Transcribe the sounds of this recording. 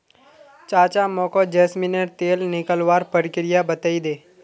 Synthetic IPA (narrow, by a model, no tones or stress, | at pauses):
t͡ʃaːt͡ʃamɔ̃ːkod͡ʒeːsminəɾt̪eːlnɪkəlʋaːɾpəɾɪkɪɾɪjabət̪aid̪eː